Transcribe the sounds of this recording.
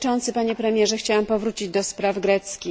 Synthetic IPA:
ɔnt̪sɘpaɲɛpɾɛmʲjɛʐɛxt͡ɕawɛmpɔvɾut͡ɕid͡ʑd̪ɔspɾavɡɾɛt̪skʲi

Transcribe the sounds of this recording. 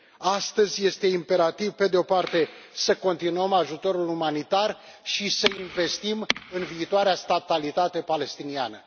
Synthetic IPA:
ast̪əzʲje̞st̪e̞impe̞ɾat̪ivpe̞d̪eo̞part̪e̞səko̞nt̪inuəmaʒut̪o̞ɾulumanit̪arʃisəinve̞st̪imɨnviːt̪oaɾeast̪at̪alit̪at̪e̞pale̞st̪inianə

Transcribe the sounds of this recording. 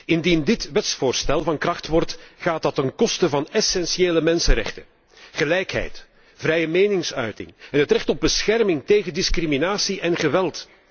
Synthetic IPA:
ɪndindɪtʋɛtsfʊːrstɛlˠvɑnkrɑxtʋɔrtɣaːtɑtənkɔstəvɑnɛsɛnsieːləmɛnsəɾɛ̰xtə | ɣəlɛjkɦɛ̰jt | v̥rɛjəmeːjnɪŋsœɥtɪ̰ŋɛnɦətrɛxtɔb̚bəsxɛrmɪŋteːɣəndɪskriminaːsiʔɛnɣəʋɛlˠt

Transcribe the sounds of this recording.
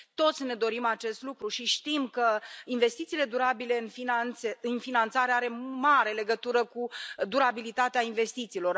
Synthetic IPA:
t̪o̞t̪sʲne̞d̪o̞ɾimat͡ʃe̞st̪lukɾuʃiʃt̪imkəinve̞st̪it̪siːle̞d̪uɾabile̞ɨnfinaneɨnfinant̪saɾeaɾe̞maɾe̞le̞ɡət̪uɾəkud̪uɾabilit̪at̪eainve̞st̪it̪siːlo̞r

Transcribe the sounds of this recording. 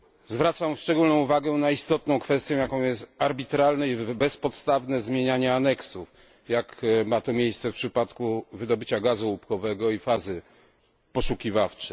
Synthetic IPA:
zvɾat̪samfʂt͡ʂɛɡulnɔ̃w̃uvaɡɛnaist̪ɔt̪̚nɔ̃w̃kfɛst̪jɔ̃w̃jakɔ̃w̃jɛst̪aɾbʲit̪ɾalnɛibɛspɔt̪st̪avnɛzmʲjeɲaɲɛanɛksuf | jakmat̪ɔmʲjejst̪sɛfpʂɘpat̪kuvɘd̪ɔbɘt͡ɕaɡazuupkɔvɛɡɔifazɘ | pɔʂukʲivaft͡ʂɛ

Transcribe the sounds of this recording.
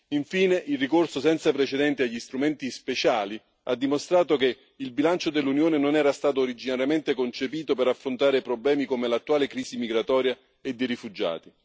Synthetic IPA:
iɱfiːneʔilrikorsosɛnt̪sapɾet͡ʃed̪ɛnt̪eaʎːist̪ɾumɛnt̪ispet͡ʃaːli | ad̪ːimost̪ɾaːt̪oke | ilbilant͡ʃod̪elːunjoːnenonɛːɾast̪aːt̪̬oːɾid͡ʒinaɾjament̪ekont͡ʃepiːt̪opeɾafːɾont̪aːɾepɾoblɛːmikomelat̪ːuaːlekɾiːsimiɡɾat̪ɔːɾja | ed̪ːejɾifud͡ʒːa̰ːt̪i

